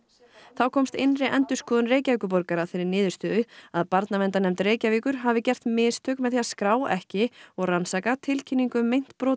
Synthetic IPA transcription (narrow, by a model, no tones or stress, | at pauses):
θawkʰɔːmst̪ɪnrɪʔɛnt̪ʏ̥skɔːðʏnreːjcaviːkʏp̬ɔɾkaɾaθɪɾɪɾnɪːðʏ̥ɾst̪ʏːðʏaðpaɾt̪navɛnt̪anɛmt̪ɾeːjcaviːkʏɾ̥ɦavɪcɛr̥t̪mɪːst̪ʰœːkmɛðθiaskɾaːwɛhcɪɔɣransakat̪ʰɪlcʰinːiŋkʏmejn̥t̪pɾɔː